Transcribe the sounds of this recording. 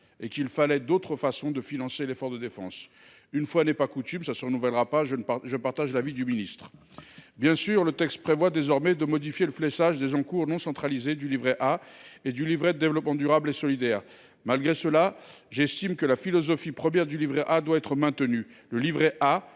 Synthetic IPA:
ekilfalɛd̪ot̪χəfasɔ̃d̪əfinɑ̃selefɔʁd̪əd̪efɑ̰̃s | ynfwanɛpakut̪ymsasəʁənuvɛlʁapaʒʒəpaʁt̪aʒlavid̪yminist̪χ | bjɛ̃syːʁlət̪ɛkst̪̚pχevwad̪ezɔʁmɛd̪əmɔd̪ifjeləflɛʃaʒd̪ezɑ̃kuʁnɔ̃sɑ̃t̪χalized̪ylivʁɛʔaed̪ylivʁɛd̪əd̪evlɔpmɑ̃d̪yʁablesɔlid̪ɛːʁ | malɡʁesəla | ʒɛst̪imkəlafilɔzɔfipχəmjɛʁd̪ylivʁɛʔad̪waɛt̪χəmɛ̃t̪ənyləlivʁɛʔa

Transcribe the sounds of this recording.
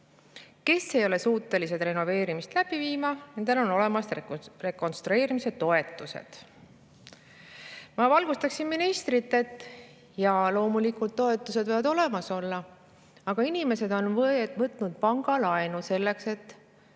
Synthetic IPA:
ke̞sːejo̞le̞suːt̪ːˑe̞lise̞t̪re̞no̞ve̞ːɾimist̪læb̥iviːmɑne̞nd̪elo̞no̞le̞mɑst̪re̞ko̞nst̪ɾue̞ːɾimise̞t̪ːo̞e̞t̪ːˑusḛd̪̥ | mɑvɑlɡust̪ɑksinminist̪rit̪ːe̞t̪ːˑ | jɑlo̞ːmulikult̪ːo̞e̞t̪ˑːuse̞d̪vɤjvɑd̪o̞le̞mɑso̞lːɑ | ɑɡ̥ɑinime̞se̞d̪o̞nvɤvɤt̪ːˑnud̪̥̚pɑŋɡ̥ɑlɑenuse̞lːe̞kse̞t̪ːˑ

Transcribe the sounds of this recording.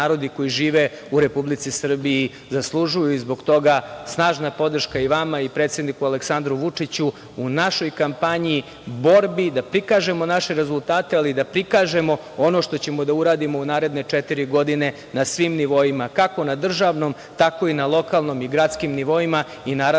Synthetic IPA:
aːɾo̞d̪iko̞jiʒiːʋe | uɾe̞publit̪sisr̩bii | zaslˠuʒujuizbo̞ɡt̪o̞ɡasnaːʒnapo̞d̪r̩ʃkaiʋamaipɾet̪sje̞d̪nikualeksand̪ɾuʋut͡ʂit͡ɕuː | naʃo̞jkampaɲii | bo̞ɾbid̪apɾikaːʒe̞mo̞naʃe̞ɾe̞zulˠt̪aːt̪ealid̪apɾikaːʒe̞mo̞ | ono̞ʃt̪o̞t͡ɕe̞mo̞d̪auɾaːd̪imo̞unaːɾe̞d̪ne̞t͡ʂet̪iɾiɡo̞d̪ine̞ | nasʋimniʋo̞imakako̞nad̪r̩ʒaʋno̞m | t̪ako̞inalˠo̞kalˠno̞miɡɾat̪skimniʋo̞ima | inaːɾa

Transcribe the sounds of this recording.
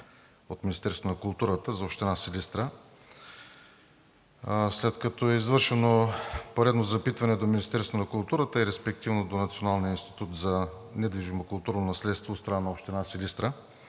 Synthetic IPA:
ot̪minist̪ɛɾst̪vonɐkʊlˠt̪uɾət̪əzɐopʃt̪ɛnasilʲist̪ɾə | slɛt̪kɐt̪oɛizvɤɾʃɛnopoɾɛd̪nozɐpit̪vɐnɛd̪ominist̪ɛɾst̪vonɐkulˠt̪uɾət̪əiɾɛspɛk̚t̪ivnod̪onɐt̪sionalˠnijəinst̪i̥t̪ut̪zɐnɛd̪viʒimokʊlˠt̪uɾnonɐslɛt̪st̪vot̪st̪ɾɐnanɐopʃt̪ɛnasilist̪ɾə

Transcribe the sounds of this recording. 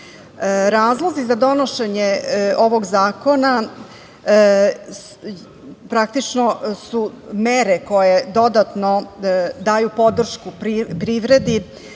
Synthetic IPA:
ɾaːzlˠo̞zizad̪o̞noʃeɲeo̞ʋo̞ɡzaːko̞na | pɾak̚t̪it͡ʃno̞sumeɾeko̞je̞d̪o̞d̪at̪no̞d̪aːjupo̞d̪r̩ʃkupɾipɾiʋɾe̞d̪i

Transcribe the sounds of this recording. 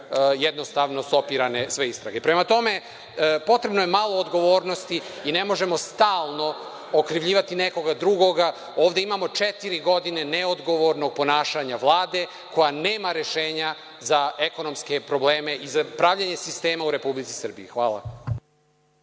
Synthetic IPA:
jed̪no̞st̪aʋno̞so̞piɾanesʋe̞ist̪ɾa̰ɡepɾemat̪o̞me̞ | po̞t̪ɾebno̞je̞malˠo̞ːd̪ɡo̞ʋoːɾno̞st̪iːne̞mo̞ʒe̞mo̞st̪aːlˠno̞ | okɾiʋʎiːʋat̪ineko̞ɡad̪ɾuɡo̞ɡa | o̞ːvʋd̪eimamo̞t͡ʃet̪iɾiɡo̞d̪ine̞neod̪ɡo̞ʋo̞ɾno̞ɡ̚po̞naːʃaɲaʋlˠaːd̪e̞ | ko̞janeːmaɾe̞ʃe̞ːɲa | zaeko̞no̞mske̞pɾo̞bleːme̞ʔizapɾavʎaɲesist̪e̞ːmauɾe̞publit̪si̥sr̩biixʋaːlˠa̰

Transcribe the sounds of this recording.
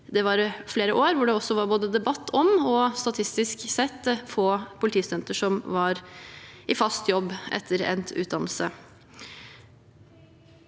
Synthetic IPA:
d̪ɛʋɑɾfleːɾəʔoːɾʋʊɖɛɔsːɔʋɑɾboːd̪əd̪ɛbɑt̪ʰːɔmɔst̪ɑt̪ʰɪst̪ɪsksɛt̪ːfoːpʰʊlɪt̪ʰiːsɛnt̪əʂɔmʋɑɾʔɪfɑst̪jɔbːʔɛ̰t̪ʰːəɾɛ̰nt̪ʉ̰ːt̪̚d̪ɑməl̩sə

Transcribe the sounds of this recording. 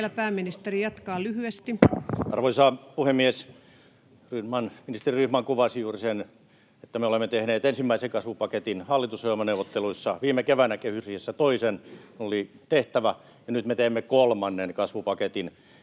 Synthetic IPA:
læpæːminist̪erijɑt̪kɑːlyhyest̪iɑ̰rʋoisɑːpuhemːies | ryhmɑnminist̪eriryhmɑŋkuʋɑsjuːrisen | et̪ːæmeolemːet̪ehneːt̪ensimːæiseŋkɑsʋupɑket̪inhɑlːit̪usojelmɑneuʋot̪ːeluisːɑʋiːmːˑekeʋænækehysrihesːæt̪oisenunolit̪eht̪æʋæ | jɑnyt̪met̪eːmːekolmɑnːenkɑsʋupɑket̪in

